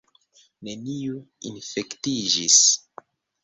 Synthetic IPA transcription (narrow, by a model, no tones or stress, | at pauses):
ne̞niuinfe̞ktid͡ʒis